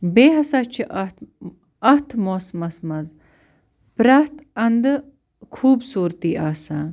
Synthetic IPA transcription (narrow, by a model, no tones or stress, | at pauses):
beːɦɐsaːt͡ʃʰiʔ | ɐht̪ʰmoːsmɐsmɐz | pɾɐht̪ɐnd̪ɨ | kʰuːbsuːɾt̪iːʔaːsaː